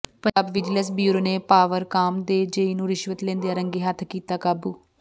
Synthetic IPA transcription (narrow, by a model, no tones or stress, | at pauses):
pəaːbʋɪd͡ʒləs̬bjuːɾoːneːpaːʋəɾkaːmd̪eːd͡ʒəiːnũːɾɪʃʋət̪lẽːnd̪ejaːɾəŋɡeːɦət̪ʰkiːt̪aːkaːbuː